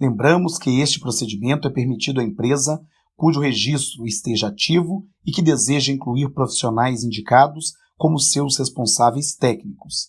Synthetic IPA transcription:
lẽmbɾɐ̃mʊskɪest͡ʃɪ̥pɾosed͡ʒimẽnt̪ʊɛpeɾmit͡ʃid̪ʊɐẽpɾezɐ | kuʒʊheʒist̪ɾʊɪst̪eʒɐat͡ʃivʊ | ɪkɪd̪ezeʒɐĩkluiɾpɾofi̥sionajzĩnd͡ʒikad̪ʊs | kõmʊsewshespõsavejst̪ɛknikʊ̥s

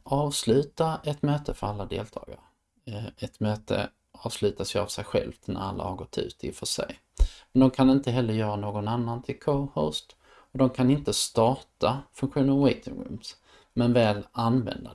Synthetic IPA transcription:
ʔɑːvslʉ̟ːt̪aʔɛt̪møːt̪əfœɾalːad̪ḛːlt̪ʰɑ̰ːɡaɾ | ɛt̪møːt̪ʰə̰ | ɑːvslʉ̟ːt̪asjɵa̰vsɛjɧɛ̰lft̪næ̰ɾa̰lːa̰haɾɡɔt̪ʰːʉ̟̰ːt̪ʰɪ̰fœʂɛ̰j | mɛnd̪ɔmkʰanɪnt̪əɦɛlːəɾjœːɾanoːɡɔnanːant̪ʰɪlkʰohost̪ | ɔd̪ɔmkʰanɪnt̪əst̪ɑːʈafɵŋkɧuːnəɾɔwɛt̪ʰɪŋɾʉ̰ms | mɛnvɛːlanvɛ̰nd̪a

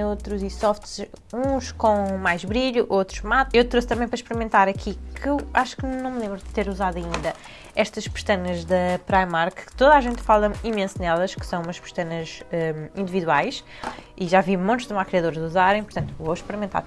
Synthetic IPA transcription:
ot̪ɾuzisɔft̪zũʃkõmajʒβɾiʎuʔot̪ɾuʒmat̪ewt̪ɾost̪ɐmɐ̃j̃pɐɾɐʃpɨɾimẽnt̪aɾɐkʰikʰɨewaʃu̥knnɐ̃w̃mlˠẽmbɾud̪ɨt̪eɾuzaðɐĩnd̪ɐ | ɛʃt̪ɐʃpɨ̥ʃt̪ɐnɐʒðɐpɾajmaɾkt̪oðaʒẽnt̪falˠɐimẽsnɛlˠɐʃkɨ̥sɐ̃w̃umɐʃpɨ̥ʃt̪ɐnɐzɛĩnd̪iviðwajʃ | iʒavimõnt̪uʒd̪makɾiɐðoɾʒuzaɾɐ̃j̃puɾt̪ɐ̃nt̪uvoʃpɨɾimẽnt̪a̰ɾ

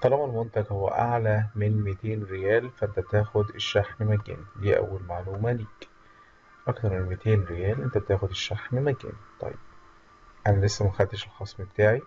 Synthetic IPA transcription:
qɑlæːmælmont̪æɡhowːæ̰ʔaʕlæmenmet̪eːnɾejæːlfæʔent̪æt̪æːxod̪eʃːaħmmæɡḛːnliːʔæ̰wːælmaʕluːmæliːk | ʔɑkt̪ɑɾˤmenmet̪ʰeːnɾejæːlʔent̪æt̪æːxod̪eʃːaħmmæɡḛnt̪ˤɑ̰jːeb̥̚ | ʔænælesːæmæxæd̪t̪ːeʃelxɑsˤmebet̪aːʕi

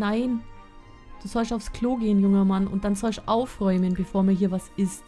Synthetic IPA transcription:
naɪn | d̥uːzɔlstaʊfskl̥oːɡeːənjʊŋɐmanʊ̰nt̚d̥anzɔlsʔaʊfʁɔʏmənbəfoːɐmiːɐɦiːɐvasɪst

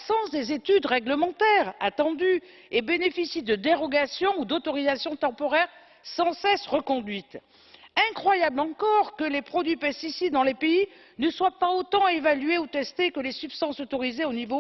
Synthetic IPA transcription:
apsɑ̃sd̪ezet̪yd̪ʁɛɡləmɑ̃t̪ɛʁat̪ɑ̃d̪y | ebenefisid̪əd̪eʁɔɡasjɔ̃ud̪ot̪ɔʁizasjɔ̃t̪ɑ̃pɔʁɛʁ | sɑ̃sɛsʁəkɔ̃d̪ɥit̪ | ɛ̃kχwajablɑ̃kɔʁkəlepχɔd̪ɥipɛst̪isid̪ːɑ̃lepei | nəswapaot̪ɑ̃evalyeut̪ɛst̪ekəlesypst̪ɑ̃sot̪ɔʁizeonivo

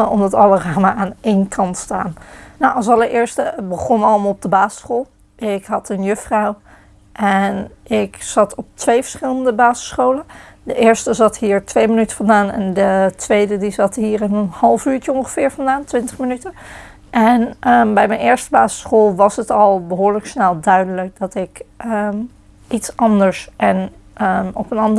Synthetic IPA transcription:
əɔmdɑtɑləraːməaːnejnkʰɑntsta̰ːnːowʔɑlˠsɑlˠəɹʔɪːɹstəbəχɔnɑləmaːlˠɔb̚dəbaːzə̥sχoːlˠ | ɪkɦɑtənjɵfrɑw | ʔɛnʔɪkz̥ɑtʰɔp̚tʋejvəɹsχɪləndəbaːzə̥sχowləndəʔɪːɹstəzɑtɦiːɹtʋejmənytə̥fɑndaːnɛ̰ndətʋejdədizɑtɦiːɹɪnənhɑlˠfyːɹcəɔŋχəvɪːɹvɑndaːntʋɪntəχmənytə | ʔɛnəbɛjmɛnɪːɹstəbaːzə̥sχolˠʋɑsɦətɑlˠbəɦʊːɹləksnɛlˠdœɥdələk̚d̥ɑtɪkʔəm | itsɑndəɹsʔɛn | əɔpənɑnd

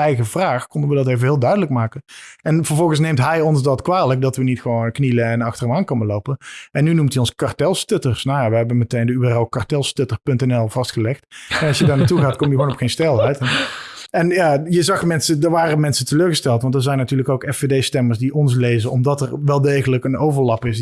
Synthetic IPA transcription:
ɛjɣəvraːxkɔndəʋədɑtejvəɦɪːlˠdœɥdələk̚maːkəɛnvəɹvɔlˠɣən̩snejmtɦɛjɔnzdɑtkʋaːlək̚dɑtʋənitxəʋonkniləɛnɑxtərəmaːnkɔnəlowpənɛnːynumtiɔnskɑrtɛlˠstøtərsnawjaʋəɦɛbənmətejndəyɛrɛlˠkartɛlˠstøtərpɵntɛnɛlˠv̥ɑstxəlɛxtɛnɑlˠʃjədaːɹnaːtuɣaːtkɔmjəɣwonɔpxejnstɛlˠɦɛɥtɛ | ɛnjaːjəzɑxmɛnsədəɹʋaːrəmɛnsətəløːɹɣəstɛlˠtʋɑntdəzɛjnːatyːɹləkowkɛfedejstɛməɹsdiʔɔns̬lejzənɔmdɑtɛrʋɛlˠdejɣələkənowvəɹlɑpɪs

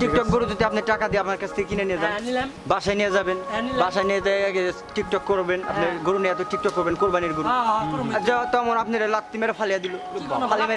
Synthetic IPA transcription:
ʈik̚ʈɔk̚ɡoɾud͡ʑot̪eapneɾʈakad̪ijaapnaɾkat͡ɕʰt̪ʰekekinenijed͡ʑaen | baʃajnijed͡ʑabenbaʃajniet̪aɛke | ʈik̚ʈɔkːoɾbenapneɾɡoɾunijat̪oʈik̚ʈɔkːoɾbenkoɾbaniɾɡoɾ | d͡ʑɔt̪ɔmonapneɾlat̪ːimeɾafʰalijad̪iloalameɾ

